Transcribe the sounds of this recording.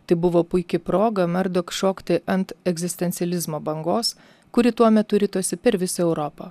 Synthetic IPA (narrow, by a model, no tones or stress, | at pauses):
t̪ɐɪbʊʋoːpʊɪkʲɪpɾoːɡɐmɐɾd̪okʃoːkt̪ʲɪʔɐnt̪ɛɡʲzʲɪsʲt̪ʲɛnʲsʲɛlʲɪzmoːbɐŋɡoːs | kʊɾʲɪt̪uɔmʲɛt̪ʊɾʲiːt̪uɔsʲɪpʲɛɾʋʲɪsɐɛʊɾoːpɐ